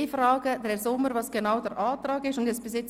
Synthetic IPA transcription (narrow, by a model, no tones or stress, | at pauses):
fɾɑːɡ̥əd̥ɛɾsʊmːəɾvɑːsɡ̥enaʊdɛɾʔɑːtɾɑːɡɪʃʊndɛsb̥ɪsjɛt͡s